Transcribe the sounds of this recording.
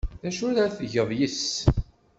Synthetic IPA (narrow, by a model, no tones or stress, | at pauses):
ðæʃʊɾθəʝəðˤjis